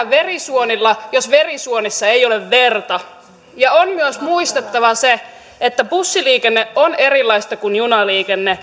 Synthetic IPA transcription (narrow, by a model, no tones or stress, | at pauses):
ʋerisuonilːɑjosʋerisuonisːɑejoleʋʋert̪ɑ | jɑonmyøsmuist̪et̪ːɑʋɑse | et̪ːæpusːiliːkenːeʔoneɾilːɑist̪ɑkunjunɑliːkenːe